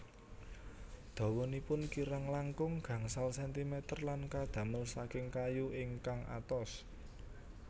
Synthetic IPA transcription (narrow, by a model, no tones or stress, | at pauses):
d̪̥a̤wɔnipʊnkiɾaŋlaŋkʊŋɡ̥ä̤ŋsalsɛnt̪imɛt̪ərlankad̪̥ä̤məlsakɪŋkajuɪŋkaŋʔa̰t̪ɔs